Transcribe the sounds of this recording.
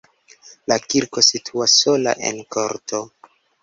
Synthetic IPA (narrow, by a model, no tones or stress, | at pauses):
lakiɾko̞sitʰuasːo̞la̰ʔe̞̰nkʰoɾto̞